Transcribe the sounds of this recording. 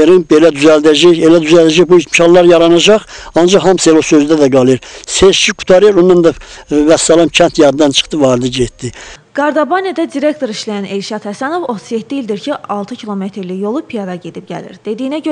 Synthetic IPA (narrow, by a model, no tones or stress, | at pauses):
eɾinbelæd̪yzæld̪æd͡ʒæçelæd̪yzæld̪æd͡ʒæçbuit̪mʃʰɑlˠlˠɑɾjɑɾɑnɑd͡ʒɑχɑnd͡ʒɑχhɑmselosøzd̪æd̪æɡɑlˠeɾseʃt͡ʃʰiɡu̥t̪ʰɑɾeɾonːɑnd̪ɑvæsːɑlˠɑmcʰænt̪ʰjɑd̪d̪ɑnt͡ʃʰɯ̥χt̪ɯvɑːɾd̪iɟet̪d̪iɡ̥ɑɾd̪ɑbɑnjed̪æd̪iɾe̞kt̪o̞ɾiʃlæjæne̞lʃɑt̪hæsæno̞vo̞t̪ʰuzjet̪ːiild̪iɾcʰiɑlˠt̪ʰɯcʰilˠo̞met̪ʰɾlijo̞lˠupʰijɑd̪ɑɟe̞d̪ip̚ɟæ̰lḭɾd̪̥e̞d̪iːnæɟø